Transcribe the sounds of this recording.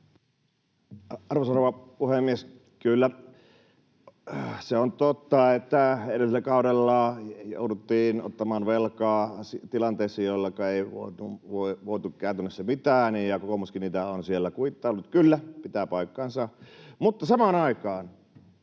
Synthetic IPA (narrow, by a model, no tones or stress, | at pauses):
ɑrʋosɑroʋɑpuhemːies | kylːæ | seont̪ot̪ːɑet̪ːæenesilːækɑˑuɾelːɑːjo̰udut̪ːiːno̰t̪ːɑmɑːnʋelkɑːsit̪ilɑnt̪eˑːsːɑjolːɑkɑeˑiʋo̰ˑit̪uʋoiʋoˑt̪ukkæˑøt̪ynːˑesːæmit̪æːnijjɑkokomuskiniːt̪æonsielːækuit̪ːɑːolːut̪kylːæpit̪æpɑˑikːɑnsɑmut̪ːɑsɑmɑːnɑikɑːn